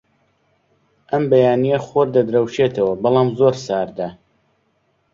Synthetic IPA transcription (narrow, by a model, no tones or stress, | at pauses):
ʔɐmbɐjaːnijɐχoɾd̪ɐd̪ɾɐwʃeːt̪ʰɐwɐbɑlˠɑːmzoɾsaːɾd̪a